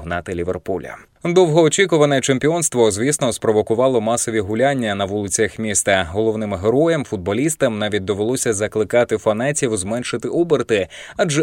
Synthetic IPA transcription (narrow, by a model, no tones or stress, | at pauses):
ɦnɑt̪ɪlʲiʋḛrpulʲɐ̰ | d̪ɔwɦɔːt͡ʃʲikʊʋɐnɛt͡ʃemʲpʲiɔnst̪ʋɔzʲʋʲisnɔspɾɔʋɔkʊʋɑlˠɔmɑsɔʋʲiɦʊlʲanʲːɐnɐʋulˠɪt͡sʲjɐxmʲist̪ɐɦɔlˠɔwnɪmɦeɾɔjɛmfʊd̪̚bɔlʲist̪ɐmnɑʋʲit̚ʲd̪ɔʋelˠɔsʲɐzɐklˠɪkɑt̪ɪfɐnɛtʲiwzmɛnʃɪt̪ɪʔubert̪ɪad͡ʒɛ